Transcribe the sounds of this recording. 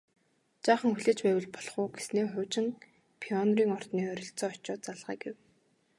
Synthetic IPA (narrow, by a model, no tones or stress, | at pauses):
t͡ɕaːχə̆ŋxuɮeːt͡ɕpæːwɘ̆ɮpɔɮχʊːɡesneːχʊːt͡ɕɪ̆ŋ | pʰiɔnriːŋɔr̥t̪niːœɾʲɞ̆ɬt͡sɔːɔt͡ɕɔːt͡saɮʁæ̰ːɡew